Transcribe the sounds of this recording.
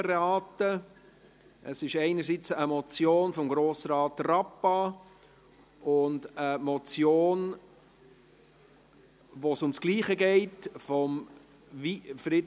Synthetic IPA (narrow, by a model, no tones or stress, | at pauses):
ɾɑːtə | ʔəsɪʃɛɪnəɾsit͡səmɔt͡sjoːnfɔmɡɾoːsɾɑːtrɑpɑ | ʔʊndəmɔt͡sjoːn | ʋosʊmsɡ̥liːχəɡɛɪtfɔm | vifɾɪd